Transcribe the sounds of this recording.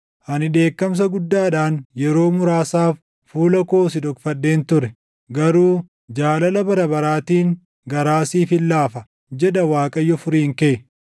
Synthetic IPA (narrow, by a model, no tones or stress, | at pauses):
hɐnɪᶑe̞ːkːɐms̬ɐɡʊd̪ːaːᶑaːnjɛɾo̞ːmʊɾaːsaːfː | uːlɐko̞ːs̬ɪd̪ɔkfɐdːe̞ːnt̪ʊɾɛ | ɡɐɾuː | d͡ʒaːlɐlɐbɐɾɐbɐɾaːt̪iːŋ | ɡɐɾaːsiːfɪlːaːfɐ | d͡ʒɛdɐwaːkʼɐjːɔfʊɾiːŋkeʔɛ